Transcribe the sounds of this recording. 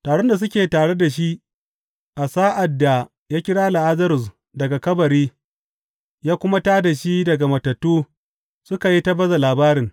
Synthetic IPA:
taː˨ɽo˦nda˨s̬ʊ˦kʲeː˨taː˨ɽe˦da˨ʃi˦ʔ | ʔa˨saː˦ʔa˨dːa˨ | jaː˦kʲɪ˦ɽaː˦la˨ʔa˦zɐ˦ɾʊ˨s | dɐ˨ɡa˨kɐ˦bɐ˨ɾiː˦ | jaː˦kʷʊ˦ma˦taː˦da˨ʃi˦dɐ˨ɡa˨mɐ˨tɐ˨tːuː˦ | sʊ˦ka˨ji˦ta˦bɐ˦za˨laː˨baː˦ɾɪ˨ŋ

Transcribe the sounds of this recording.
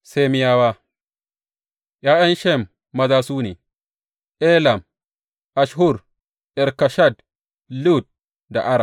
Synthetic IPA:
se˦mi˦jaː˦waː˦ | ʔjaː˦jɐ˦nʃɛ˦˨mː | ɐ˨zaː˦suː˦ni˨ | ʔɛ˦la˨m | ʔa˨ʃɦu˦˨ɾ | ʔɛ˨ɾka˨ʃa˦˨d̚ | lu˦˨d̚ | da̰˨ʔa˦ɾa˨

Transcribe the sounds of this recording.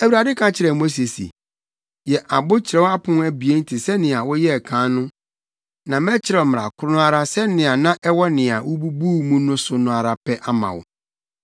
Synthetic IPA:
æ˨wu˨ɾa˨dɪ˦kʰã˨˦t͡ɕʰɪ˨ɾɛ˨mo˦s̬e˨sḭ˨ | jɛ˨ʔa˨bʊ˦t͡ɕʰɪ˨ɾɛ˦wa˦pʰʊ̃˦n˦æ˨bi˨e˦n̩˦tʰi˨sɛ˦nɪ̃˨a˨wɔ˦jɛ˦ɛ˨kʰãː˨˦nʊ̃˦ | nã˨mɛ˦t͡ɕʰɪ˦ɾɛ˨m˨ɾa̰˨kʰʊ˦ɾʊ˦nʊ̃˦a˦ɾa˦sɛ˦nɪ̃˨a˨nã˦ʔɛ˦wɔ˦nɪ̃˨a˨wʊ˦bu˦buː˦mũ˦nʊ̃˦sʊ˨˦nʊ̃˨a˨ɾa˨pʰɛ˦ʔa˦mã̰˨wʊ̰˨

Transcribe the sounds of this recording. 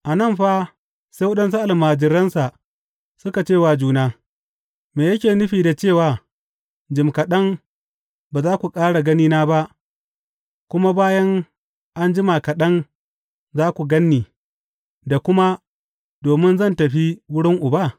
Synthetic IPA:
ʔa˨nɐ˦˨mɸaː˦ | sa˦jwɐ˦ɗɐ˦nsu˦ʔa˨lmaː˨d͡ʒɪ˦ɾɐ˦nsa˨ | sʊ˦ka˨t͡ʃeː˦˨waː˨d͡ʒuː˦naː˦ | meː˨jɐ˦kʲeː˨nʊ˦ɸiː˨da˨t͡ʃeː˦˨waː˨ | d͡ʒɪ˨mkɐ˨ɗɐ˦ŋ | baː˨zaː˦kʷu˨kʼaː˦ɽa˨ɡɐ˦niː˦naː˦ba˦ʔ | kʷʊ˦ma˦baː˦jɐ˦ŋ | ʔa˦nd͡ʒɪ˦ma˨kɐ˨ɗɐ˦n | zaː˦kʷu˨ɡɐ˦nːiː˨ | da˨kʷʊ˦ma˦ | doː˨mɪ˦nzɐ˦˨ntɐ˨ɸi˦wʊ˦ɽɪ˦ŋʔʊ˨ba˦˨

